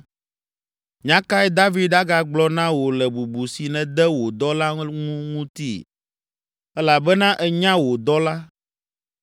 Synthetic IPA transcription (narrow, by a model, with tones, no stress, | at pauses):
ɲã˦ka˦ɛ˦d̪a˦vi˦d̪̚da˦ɡa˨ɡ͡blɔ˦nã˦wo˨lɛ˨bu˨bu˨si˨nɛ̃˨d̪ɛ˦wo˨d̪ɔ˦la˦ŋũ˦ŋũ˦t̪i˦˨ | ɛ˦la˨bɛ˦nã˦ʔɛ˦ɲã˦wo˨d̪ɔ˦la˦